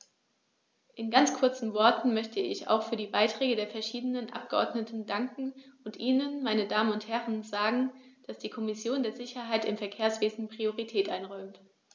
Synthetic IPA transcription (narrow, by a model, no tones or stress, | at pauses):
ʔɪnɡant͡skʰʊɐt͡sn̩vɔɐtn̩mœçtʰəɪ̰ça̰ʊxfyːɐdiːbaɪtʁ̥ɛːɡədeːɐfɛɐʃiːdənənʔa̰p̚ɡ̥əʔɔ̰ɐdnətn̩daŋkŋ̩ʔʊntʔiːnənmaɪnədaːmənʊnthɛʁənzaːɡŋ̩d̥asd̥iːkʰɔmɪsjoːndeːɐzɪçɐɦaɪtɪmfɛɐkʰeːɐsv̥eːzn̩pʁ̥ioʁitʰɛːtʔaɪnʁɔʏmt